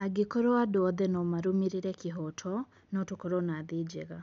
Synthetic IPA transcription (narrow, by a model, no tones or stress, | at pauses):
aɡekɔɾoadoɔðɛnɔmaɾomiɾiɾɛkeɦɔtʰɔ | nɔtokoɾoɔnaðed͡ʒɛɣa